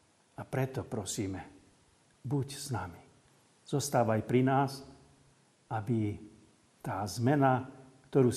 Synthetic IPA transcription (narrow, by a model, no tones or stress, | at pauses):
apɾɛt̪ɔpɾɔsiːmɛ | bucsnami̥ | z̥ɔst̪aːʋaajpɾinaːs | abi | t̪aːzmɛnakt̪ɔɾuː